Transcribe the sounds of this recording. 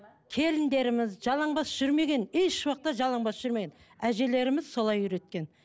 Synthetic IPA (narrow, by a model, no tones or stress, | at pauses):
kʲʰe̞lɪnd̪e̞ɾɪmɪzʒɑlˠɑɴbɑsʒ̥ʏɾme̞ɡʲe̞neʃwɑq̚t̪ːɑʒɑlˠɑɴbɑsʒ̥ʏɾme̞ɡʲen | æʒe̞le̞ɾɪmɪz̥so̞lˠɑjyɾe̞t̪̚kʲe̞n